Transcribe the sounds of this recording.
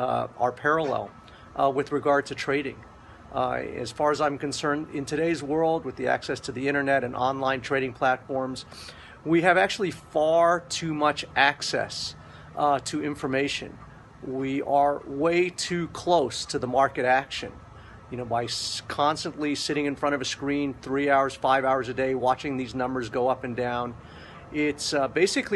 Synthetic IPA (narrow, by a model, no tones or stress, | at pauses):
ə˞pʰɛɹəlɛ̰lˠ | wɨðɹɨɡɑɹd̚tʰɨtʰɹ̥eɪɾɪ̰̃ŋ | ɨ̰z̥fɑɹɨzãɪ̃mkɨ̃nsɜ̃˞ndɪ̰̃ntʰɨɾeɪzwɜ˞lˠd̚wɨðiæ̰ksɛstʰɨðiɪ̃ɾ̃ə˞nɛɾɨ̃nʔɑ̰̃nlãɪ̃ntʰɹ̥eɪɾɪ̃ŋpʰl̥ætfɔɹmz̥ | wiɨvæk̚t͡ʃʉl̩ˠifɑɹtʰʉmʌt͡ʃʔæksɛ̰s | tʰɨɪ̃ɱfə˞meɪʃɨ̰̃n | wiə˞weɪtʰʉkʰl̥oʊstʰɨðəmɑɹkɨɾækʃɨ̰̃n | jɨnoʊbaɪkʰɑ̃nstə̃nʔlisɪɾɪ̃ŋɨ̃nfɹʌ̃ɾ̃ʌvɨskɹĩnθɹiaʊə˞z̥faɪvaʊə˞zɨdeɪwɑt͡ʃɪ̃ŋðiznʌ̃mbə˞zɡoʊʌpɨ̃ndãʊ̃n | ɪtsbeɪsɨkl